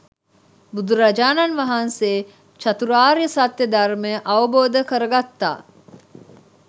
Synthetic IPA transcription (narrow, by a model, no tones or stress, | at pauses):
bud̪uɾɐd͡ʒaːnɐnʋɐɦɐnseː | t͡ʃɐt̪uɾaːɾijəsat̪ːed̪ɐɾmeʔɐʋɐboːd̪əkəɾɐɡat̪ːa̰ː